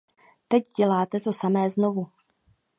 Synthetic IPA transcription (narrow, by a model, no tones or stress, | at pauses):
t̪ɛcɟɛlaːt̪ɛt̪o̞samɛːzno̞vu